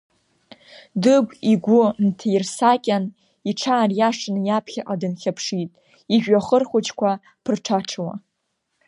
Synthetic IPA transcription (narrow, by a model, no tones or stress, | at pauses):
dɨɡʷiɡʷʊntʰajirsakʲʼan | iʈ͡ʂʰaːrjaʂɨnjapʰχʲaʔʼadɨnχʲapʰʂitʼ | iʒᶣʷaχərχʷʊt͡ʃʰkʷʰa | pʰɨrʈ͡ʂʰaʈ͡ʂʰwa̰